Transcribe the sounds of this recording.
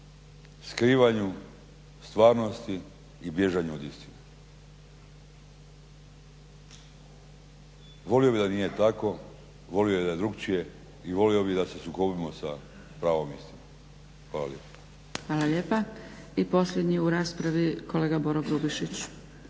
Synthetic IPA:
skɾiːʋaɲu | st̪ʋaːɾno̞st̪iː | bje̞ʒaɲuod̪ist̪ine | ʋo̞lijobid̪anije̞t̪ako̞ | ʋo̞lijoed̪ajed̪ɾukt͡ʃije̞ | iʋo̞lijo̞bid̪ase̞sukobimosa | pɾaːʋo̞mjist̪imo | xʋaːla̰ljḛpḁ | xʋaːlaʎeːpaipo̞sʎʲed̪ɲijuɾaːspɾaʋikoleːɡaboɾoɡɾubiʃit͡ɕ

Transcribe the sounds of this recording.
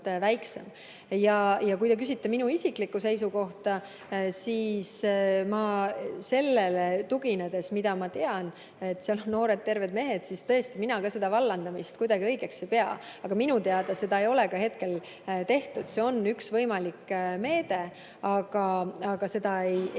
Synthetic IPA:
væjksḛm | jɑjɑkujt̪ekysʲit̪ːeminuisiklikːˑuse̞jsuko̞ht̪ɑ | siːsmɑse̞lːelet̪uɡ̥ined̪e̞smid̪ɑmɑt̪e̞ɑn | e̞t̪ːsiɑlo̞nno̞ːɾed̪̚t̪e̞rve̞d̪̚me̞ɦe̞d̪̥sist̪ɤ̞e̞st̪iminɑkɑse̞d̪̥ɑvɑlːɑnd̪ɑmist̪̚kujd̪ɑɡ̥iɤ̞jɡ̥e̞kse̞jpe̞ɑ̰ | ɑɡ̥ɑminut̪eɑd̪̥ɑse̞d̪ɑe̞jo̞lekɑhe̞t̪ke̞l | t̪e̞ht̪ud̪̥se̞o̞nːyksvɤjmɑlikːme̞ːd̪̥e̞ | ɑɡ̥ɑɑɡ̥ɑse̞d̪ɑej

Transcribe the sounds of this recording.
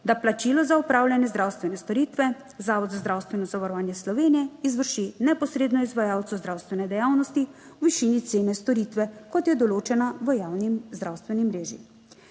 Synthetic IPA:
d̪aplat͡ʃilɔzaupɾaːwljanjɛzd̪ɾawst̪ʋɛnɛst̪ɔɾit̪ʋɛ | zaːʋɔd̪zazd̪ɾawst̪ʋɛnɔzaʋaɾɔʋaːnjɛslɔʋeːnijɛizʋəɾʃinɛpɔsɾeːd̪nɔizʋajaːwt̪suzd̪ɾawst̪ʋɛnɛd̪ɛjawnɔst̪i | wʋiʃiːnit̪seːnɛst̪ɔɾit̪ʋɛkɔt̪jɛd̪ɔloːt͡ʃɛnaʋəjaːwnimzd̪ɾawst̪ʋɛnimɾeːʒḭ

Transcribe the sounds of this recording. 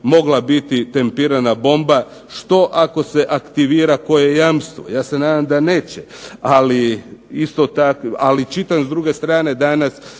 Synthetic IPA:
mo̞ɡlˠabit̪it̪e̞mpiːɾanabo̞mba | ʃt̪o̞ʔako̞se̞ʔakt̪iʋiːɾako̞jejamst̪ʋo̰jaːse̞naːd̪amd̪aneːt͡ɕealiist̪ot̪akalit͡ʃit̪anzd̪ɾuɡe̞st̪ɾaːne̞d̪anas

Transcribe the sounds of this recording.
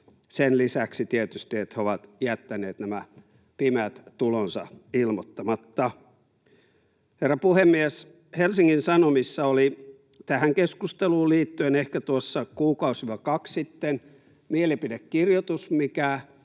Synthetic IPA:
senlisæksit̪iet̪yst̪iet̪heoʋɑt̪jæt̪ːæneːt̪næmæ | pimæt̪tulonsɑ̰ilmot̪ːɑmɑt̪ːɑ | herːɑpuhemːies | helsiŋːinsɑnomisːɑoli | t̪æhæŋkeskust̪eluːliːt̪ːyenehkæt̪uosːɑkuːkɑusiʋɑkɑkssit̪ːen | mielipidekkirjot̪usmikæ

